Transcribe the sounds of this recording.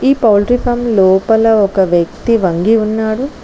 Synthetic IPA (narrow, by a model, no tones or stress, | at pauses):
iːpɐwlɾipʰɐmlɔːpɐlɐɔkɐʋjɐk̚t̪iʋɐŋɡiunːaːɽu